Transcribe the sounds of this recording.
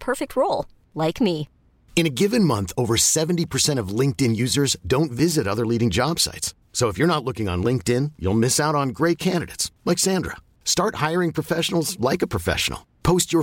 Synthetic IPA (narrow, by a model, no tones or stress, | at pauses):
pʰɜ˞fɪk̚t̚ʰɹoʊlˠ | laɪkmi | ɨ̃ñɨɡɪvɨ̃nmʌ̃nθoʊvə˞sɛṽn̩tipʰə˞sɛ̃ɾ̃ʌvlɪ̃ŋk̚tɪ̃njʉzə˞zdõʊ̃ntvɪzɨɾʌðə˞liɾɪ̃ŋd͡ʒɑb̥sa̰ɪtsː | oʊəfjə˞nətˡlʊkɪ̃ŋə̰̃nlɪ̃ŋk̚tɪ̃njṵlˠmɪsaʊɾn̩ɡɹeɪt̚kʰæ̃ndɨɾḛɪtslaɪksæ̃ndɹə̰ | stɑɹthaɪə˞ɪ̃ŋpʰɹ̥ɨfɛʃnl̩ˠzlaɪkɨpʰɹ̥ɨfɛ̰ʃə̰n̩l̩ˠpʰoʊst͡ʃə˞